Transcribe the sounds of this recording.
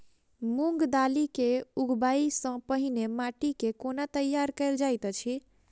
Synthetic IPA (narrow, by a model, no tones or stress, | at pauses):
muŋɡd̪alikeuɡʱbaisə̃pəɦinemaʈikekonat̪əjːaɾkəɪld͡ʒajt̪t͡ʃʰi